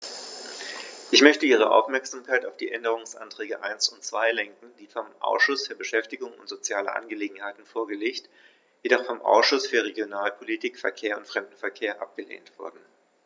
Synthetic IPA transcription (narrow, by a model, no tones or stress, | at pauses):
ʔɪçmœçtəʔiːʁ̞əʔa̰ʊfmɛɐkz̥aːmkʰaɪtaʊfd̥iːʔɛndəʁ̞ʊŋsʔa̰ntʁ̥ɛːɡəʔaɪnsʊntt͡sv̥aɪlɛŋkn̩d̥iːfɔmʔa̰ʊsʃʊsfyːɐbəʃɛftɪɡʊŋʊ̰ntz̥ot͡sjaːlə̰ʔa̰nɡəleːɡŋ̩haɪtn̩foːɐɡəleːçt | jedɔχfɔmʔa̰ʊsʃʊsfyːɐʁ̞eɡjonaːlpʰolitʰiːkfɛɐkʰeːɐʊntfʁ̥ɛmdn̩fɛɐkʰeːɐʔa̰p̚ɡ̥əlḛːntv̥ʊɐdn̩